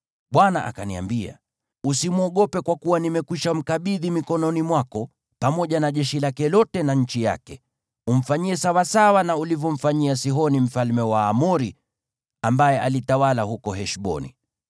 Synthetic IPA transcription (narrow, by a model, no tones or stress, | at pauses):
ɓwanaʔa̰kania̰mbia̰ | usimuɔɠɔpɛkwakuwanimɛkwiʃam̩kaɓiðimikɔnɔnimwakɔ | pamɔʄanaʄɛʃilakɛlɔtɛnaɲ̩t͡ʃija̰kɛ | um̩faɲiɛsawasawanaulivjɔɱ̩faɲiasiɦɔnim̩falmɛwaːmuɾi | ambajɛʔalitawalahukɔɦɛʃɓɔ̰nḭ